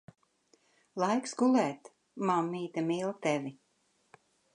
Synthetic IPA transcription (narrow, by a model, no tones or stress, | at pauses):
lˠajksɡulɛːt̪ | mamːiːt̪amiːlˠt̪ɛvi